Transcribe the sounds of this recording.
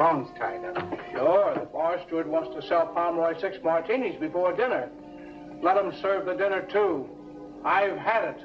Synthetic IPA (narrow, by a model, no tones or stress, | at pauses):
ɔnz̥tʰãɪnɨʃʊɹðəfɑɹstə˞d̚wɑ̃nstʰɨsɛlˠpʰɑɹmɔɪsɪksmɑɹtʰĩnizbɨfɔɹdɪ̃nə˞ | lɛɾə̃msɜ˞vðɨdɪ̃nə˞tʰu | aɪv̥ɨɾɪt